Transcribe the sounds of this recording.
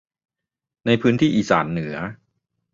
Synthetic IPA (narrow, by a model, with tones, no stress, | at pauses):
na˧jpʰɯː˦˥nt̪ʰiː˥˩ʔiː˨˩sa̰ː˩˦nːɯ˩˦ɐ